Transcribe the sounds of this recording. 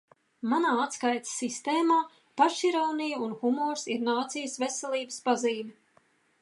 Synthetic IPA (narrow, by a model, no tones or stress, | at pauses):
manaːat̪skajt̪ssist̪eːmaː | paʃiɾawnijunxumɔːɾsiɾnaːt̪sijəsvesɛlˠiːbə̥spaziːmʲɛ